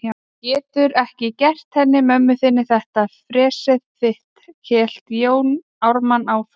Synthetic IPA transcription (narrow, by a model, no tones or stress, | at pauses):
cɛːt̪ʏɾɛhcɪcɛr̥t̪hɛnːɪmœmːʏθɪnːɪθɛht̪afɾɛːsɛðfɪht̪cʰɛːl̥t̪joːwn | awɾmanawf